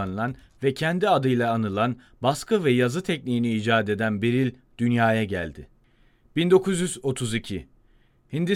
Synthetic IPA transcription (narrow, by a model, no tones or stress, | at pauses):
anɯlˠan | vɛcʰɛnd̪iad̪ɯjlˠaːnɯlˠan | baskʰɯvɛjazɯt̪ʰɛc̚niiniːd͡ʒaːd̪e̞d̪ænbeɾilʲ | d̪̥ynjaːjaɟæ̰lʲd̪ɪ̰ | b̥ind̪o̞kʰuzjyzo̞t̪ʰuzicʰi | hind̪i